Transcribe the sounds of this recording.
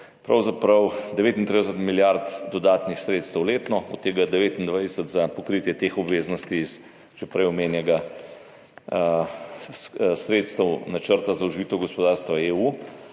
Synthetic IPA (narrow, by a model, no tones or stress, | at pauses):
pɾawzapɾɐwd̪ɛʋeːt̪int̪ɾid̪ɛsət̪miljaɾt̪d̪ɔd̪aːt̪nixsɾeːt̪st̪əwleːt̪nɔɔt̪ːeːɡad̪ɛʋeːt̪ind̪ʋajd̪ɛsət̪zapɔkɾit̪jɛt̪eːxɔbʋeːznɔst̪iːs | ʒ̥ɛpɾɛjɔmeːnjɛɡa | ssɾeːt̪st̪əwnat͡ʃəɾt̪azauʒʋiːt̪ɛwɡɔspɔd̪aːɾst̪ʋaeːuː